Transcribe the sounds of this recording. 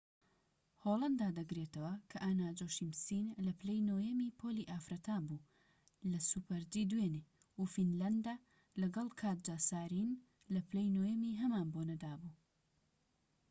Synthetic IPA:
holˠɐnd̪aːd̪ɐɡɾet̪ɐwɐkʰɐʔanaːd͡ʒoːʃimsinlɐplejnoːjɐmiːpʰoliːʔaːfɾɐt̪ʰaːbuː | lɐsupɐɾd͡ʒiːd̪wene | ufinlɐnd̪a | lɐɡɐlˠkʰaːt̪̚d͡ʒaːsaːɾin | lɐplejnoːjɐmiɦɐmaːnbonɐd̪aːbu

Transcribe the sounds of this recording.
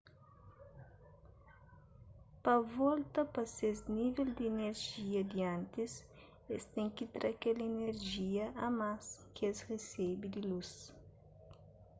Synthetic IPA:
pɐvɔlt̪ɐpɐsezniveld̪ieneɾʒiɐd̪iãnt̪is | est̪ɛŋkit̪ɾakeleneɾʒiɐɐmaskesresebid̪ilus

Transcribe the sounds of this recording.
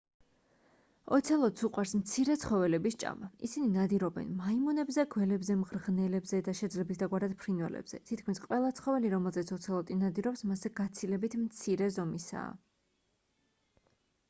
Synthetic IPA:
ɔ̰t̪sʰɛlˠɔt̪suqʼwaɾsmt̪sʰiɾɛt̪sʰχɔvɛlɛbist͡ʃʼa̰maisininad̪iɾɔbɛ̰nmaimɔnɛbzɛɡwɛlɛbzɛmʁɾʁnɛlɛbzɛd̪aʃɛd̪zlɛbisd̪aɡwaɾad̪̥pʰɾinvɛlɛ̰bz̥ɛ̰t̪ʰit̪̚ʰkʰmisqʼwɛlˠat̪sʰχɔvɛliɾɔmɛlˠzɛt̪sʰɔt̪sʰɛlˠɔt̪ʼinad̪iɾɔpsmasɛɡ̥at̪sʰilɛbit̪ʰmt̪sʰiɾɛzɔmisa̰ː

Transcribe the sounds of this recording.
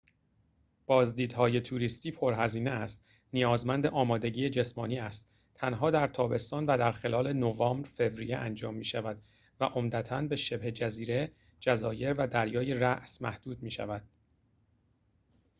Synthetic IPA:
b̥ɒːzd̪iːd̪hɒːje̞t̪ʰuːɾist̪iːpʰo̞ɾɦæziːneæst̪ | nijɒːzmænd̪e̞ʔɒːmɒːd̪e̞ɟiːjed͡ʒe̞smɒːniːæst̪ | t̪ʰænɦɒːd̪æɾt̪ʰɒːbe̞st̪ɒːnvæd̪æɾxe̞lɒːle̞novɒːmbɾfe̞vɾijeʔænd͡ʒɒːmːiːʃævæd̪ | væ̰ʔo̞md̪æt̪ʰænbe̞ʃe̞bhe̞d͡ʒæziːɾe̞ | d͡ʒæzɒːje̞ɾvæd̪æɾjɒːjeræʔsmæ̰hd̪̥uːd̪miːʃæ̰væd̪̥̚

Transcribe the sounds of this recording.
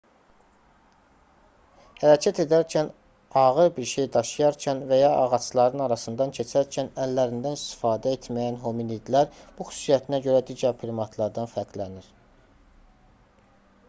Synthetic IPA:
hæɾɑcʰæt̪ʰe̞d̪æɾcʰæn | ɑɣɯɾbiɾʃe̞jd̪ɑʃɯjɑɾcʰænvæjɑʔɑʁɑt͡ʃlˠɑɾɯnɑɾɑsɯnd̪ɑncʰe̞t͡ʃʰæɾcʰænælːæɾind̪ænist̪i̥fɑːd̪æe̞t̪mæjænɦominid̪læɾb̥uxy̥su̥sijæt̪ʰinæɟø̞ɾæd̪iːɟæɾpʰɾimɑt̪ʰlˠɑɾd̪ɑnfæɾklæniɾ

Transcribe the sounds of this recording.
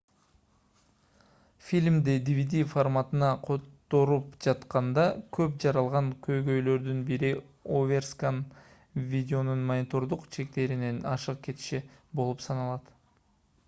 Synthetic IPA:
fʲilʲmd̪id̪ʲivʲid̪ʲiformat̪ɯnɑqʰo̞t̪ːo̞ɾupd͡ʒɑt̪qɑnd̪ɑkʰø̞p̚d͡ʒɑɾɑlˠʁɑŋkʰø̞jɡø̞jlø̞ɾd̪ynbiɾi | ovʲerskan | vʲidʲeo̞nunmɐnʲɪt̪o̞ɾd̪uqt͡ʃʰe̞k̚t̪e̞ɾine̞nɑʃɯq̚ke̞t̪ʃibolˠupsɑnɑlˠɑt̪

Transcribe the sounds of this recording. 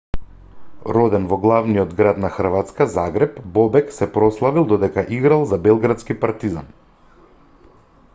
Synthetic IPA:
ɾɔd̪ɛnvɔɡlˠavnijɔd̪ɡɾat̪naxr̩vat̪skazaɡɾɛpbɔbɛksɛpɾɔslˠavilˠd̪ɔd̪ɛkaʔiɡɾalˠzabɛlˠɡɾat̪skipaɾt̪iza̰n

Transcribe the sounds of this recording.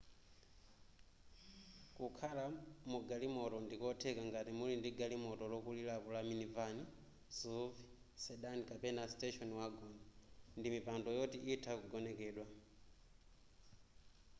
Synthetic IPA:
kukʰalamuɡalimɔtɔndikɔtʰɛkaŋɡatimulindiɡalimɔtɔlɔkulilapɔlaminivani | suvi | sɛɗanikapɛnastɛʃɔnwaɡɔnɔndimipandɔjɔtiʔitʰakuɡɔnɛkɛːɗwa

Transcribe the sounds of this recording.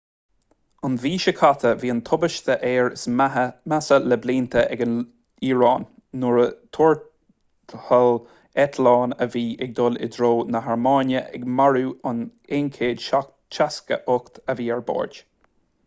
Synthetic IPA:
ʊnviːʃəkʰat̪ʰəviːənt̪ʰʊbəʃt̪əʔɛːɹɪsmasələbliːnt̪ʰəʔɛɡən | iːɹɑːnː | ʊɹət̪ʰoɹ | t̪həl | ɛt̪ʰlɑːnəviːʔɛɡ̚d̪olɪ̰d̪ɾoːnəɦaɹmɑːnjəʔɛ̰ɡmaɹuːʊnenkʰeːdʃak | t͡ʃaskə̰ʔʊkt̪əviːɛɹbo̰ːɹd͡ʒ

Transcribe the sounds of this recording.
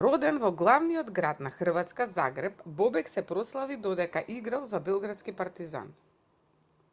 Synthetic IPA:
ɾɔd̪ɛnvɔɡlˠavnijɔd̪ɡɾat̪naxr̩vat̪skaza̰ɡɾɛpbɔbɛksɛpɾɔslˠavid̪ɔd̪ɛkaʔiɡɾalˠzabɛlˠɡɾat̪skipaɾt̪iza̰n

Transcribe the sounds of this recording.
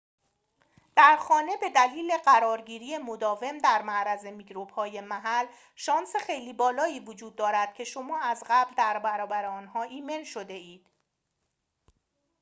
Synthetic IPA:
d̪̥æɾxɒːne̞be̞d̪æliːle̞ɢæɾɒːɾɟiːɾije̞mod̪ɒːve̞md̪æɾmæʔɾæze̞miɡɾobhɒːje̞mæɦæl | ʃɒːnsexe̞jliːbɒːlɒːiːvod͡ʒuːd̪̚ːɒːɾæd̪̥̚cʰe̞ʃo̞mɒːæzɢæbld̪æɾbæɾɒːbæɾeɒːnhɒːʔiːme̞nʃo̞d̪e̞iːd̪̥

